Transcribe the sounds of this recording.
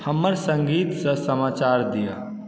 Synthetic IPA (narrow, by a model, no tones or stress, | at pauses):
hɐmːəɾsə̃ŋɡiːt̪sɐsəmaːt͡ʃaːɾd̪ija̰ː